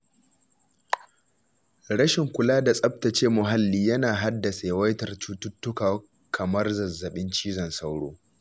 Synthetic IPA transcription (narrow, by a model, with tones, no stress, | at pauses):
ɽɐ˦ʃɪ˨ŋkʷʊ˨laː˦da˨sʼɐ˦p̚tɐ˨t͡ʃeː˦mʊ˨ɦa˦lːiː˦jɐ˦naː˨ɦa˦dːɐ˨sa˨jwɐ˦jtɐ˨rt͡ʃu˦tʊ˦tːʊ˦kaː˨w | kʰɐ˨mɐ˦rzɐ˨zːɐ˨ɓɪ˦nt͡ʃiː˦zɐ˨nsa˦wɽoː˦